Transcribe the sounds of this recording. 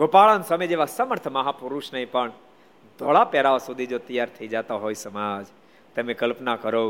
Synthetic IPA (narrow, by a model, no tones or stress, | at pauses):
ɡopaɭansamed͡ʒeʋasəməɾt̪ʰəməɦapʊɾuʃnəɦĩpəɳ | d̪ʱoɭapɛɾaosud̪ʱid͡ʒot̪əjaɾt̪ʰəid͡ʒat̪aɦoisəmad͡ʒ | t̪əmẽkəlpnakəɾo